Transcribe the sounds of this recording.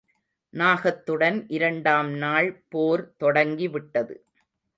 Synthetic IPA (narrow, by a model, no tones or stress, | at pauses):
naːɣɐt̪ːɯɽɐnʔɪɾɐɳɖaːmnaːɭpoːɾt̪ɔɽɐŋɡiʋɪʈːɐðɯ̰